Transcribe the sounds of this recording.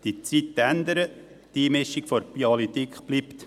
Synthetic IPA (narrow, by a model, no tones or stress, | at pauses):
d̥̪it͡sit̪ːænd̪əɾə | t̪iːmɪʃikfɔɾpiɑlit̪ikχb̥lipt̪